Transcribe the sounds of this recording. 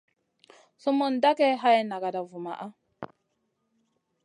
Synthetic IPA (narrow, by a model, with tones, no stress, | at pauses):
su˦mu˦nda˦kɛ˦ɦa˦jna˨ɡa˨da˨vu˨ma̰˨ʔa˦